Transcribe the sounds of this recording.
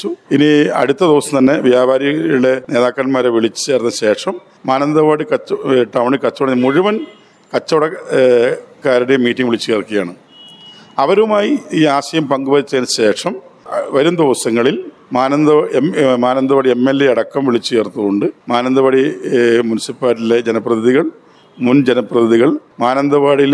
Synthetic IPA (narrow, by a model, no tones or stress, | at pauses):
t͡ɕːuiniɐ̰ɽut̪ːɐd̪iʋɐsɐmt̪ɐnːe̞ʋjaːbʱaːɾiɣɐjuɽe̞ne̞ːðaːkːɐɾɐnmaːɾeʋiɭit͡ɕːɨ̥t͡ɕeːrnːɐɕe̞ːʂɐmː | aːnɐnd̪ɐbaːɽikɐʈɐwɳikɐt͡ɕːɐʋɽɐɲmuɻuʋɐn | kɐt͡ɕːɐʋɐɽɐ | kːaːɾɐɽemiːʈːiŋɡʋiɭit͡ɕːukeːrkːijaːɳɨ | ɐʋɐɾumaːjiiːaːɕɐjɐmpɐŋɡuʋɐɾit͡ɕːɐnɕe̞ːʂɐmʋɐɾumd̪iʋɐsɐŋːɐɭil | maːnɐnd̪ɐmaːnɐnd̪ɐʋaɽiemːelːeɐɽɐkːɐmʋiɭit͡ɕːujert̪ːuɣo̞ɳɖɨmaːnɐnd̪ɐbɐːɽimunisipːaːtːiled͡ʑenɐprɐt̪ʰðiɣɐɭ | mund͡ʑenɐprɐt̪ʰiðiɣɐɭmaːnɐnd̪ɐʋaːɽil